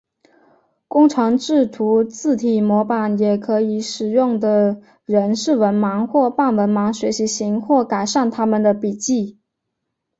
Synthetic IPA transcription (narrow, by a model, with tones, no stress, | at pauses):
kʊ˥ŋʈ͡ʂʰɤ˧˥ŋʈ͡ʂɻ̩˥˩t̪ʰu˧˥t͡sɹ̩˥˩t̪ʰi˨˩mwɔ˧˥pa˨˩njɛ˨˩kʰɤ˧˥i˨˩˦ʂɻ̩˨˩jʊ˥˩ŋd̪ə˩ | ɻə˧˥nʂɻ̩˥˩wə˧˥nmɑ˧˥ŋxwɔ˥˧pa˥˩nwə˧˥nmɑ˧˥ŋɕɥɛ˧˥ɕi˧˥ɕi˧˥ŋxwɔ˥˩ka˨˩ɪʂa˥˩nt̪ʰa˥mə˨nd̪ə˩pi˨˩t͡ɕi˥˩